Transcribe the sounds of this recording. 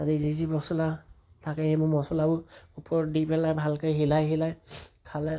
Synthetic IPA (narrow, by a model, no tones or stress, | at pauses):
atizizibɔsɔla | tʰakɛhɛmʊmɔsɔlabʊupʰɔɹdipɛlajbʱalkajɦilajɦilajkʰalɛ